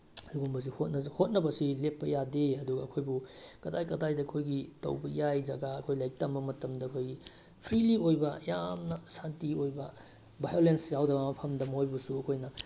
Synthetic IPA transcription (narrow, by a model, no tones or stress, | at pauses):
luɡumbɐzihot̚nɐhot̚nɐbɐsilepːɐjadeɐduɡɐːkʰojbukɐdajkɐdajdɐːkʰojɡitɐ̰wbɐjajzɐɡaːkʰojlajk̚tɐmbɐmɐtɐmdɐːkʰojɡi | pʰɾiliojbɐjamnɐsantiojbɐ | bʱajolensjawdɐbɐmɐpʰɐmdɐmhojbɐsuɐkʰojnɐ